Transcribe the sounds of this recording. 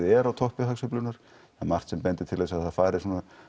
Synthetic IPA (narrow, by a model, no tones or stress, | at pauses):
ɛɾawt̪ʰɔhpʏɦaksʏplʏnaɾ̥ | amar̥t̪sɛmpɛnt̪ɪɾt̪ʰɪleɛsaðhaðfaːjɾɪ̥suːna